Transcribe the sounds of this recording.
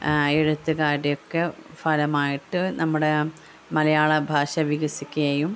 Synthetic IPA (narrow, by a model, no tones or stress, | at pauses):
eɻut̪ːɨɣaːɾejokːefɐlɐmaːjiʈːɨnɐmːuɽe | mɐlɐjaːɭɐbʱaːɕɐʋiɡɐsikʲːuɐjum